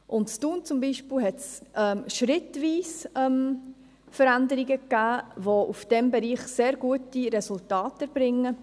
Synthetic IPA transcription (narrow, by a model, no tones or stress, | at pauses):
ʔʊntstuːnt͡sʊmbiːʃpɪlɦɛtsʔɛmʃɾɪtʋiːsɛm | fəɾændəɾiɡəkːæːvoʔufd̥ɛmbɛɾiːχseːɾɡuətiɾɛsʊltɑːtəɾb̥ɾɪŋːə